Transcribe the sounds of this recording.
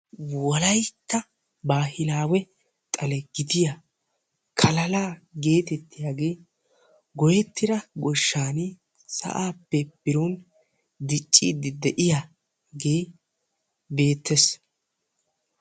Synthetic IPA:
wɔlɐjt̪ːɐ | baːhɪlaːwɛ | t̪ʼɐlɛɡ̥ɪd̪ɪja | kʰɐlɐlaːɡe̞ːt̪ɛt̪ːɪjaːɡe̞ː | ɡɔjɛt̪ːɪɾɐɡɔʃːaːni | sɐ̰ʔaːpːɛbɪɾɔn | d̪ɪt͡ʃʼːiːd̪ɪd̪ɛʔɪja | ɡe̞ː | be̞ːt̪ːɛs

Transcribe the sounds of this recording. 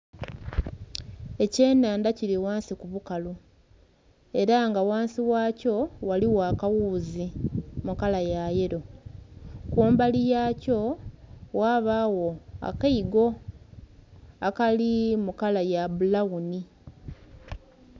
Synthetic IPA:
e̞ce̞ːnaːndaciɾiwaːnsikuβukalu | e̞ɾaŋɡawaːnsiwaːco̞waliwaːkawuzimukalajaje̞ɾo̞ | kuːmbalijaːco̞ | waːβawo̞a̰kaiɡo̞ | akalimukalajabulawuni

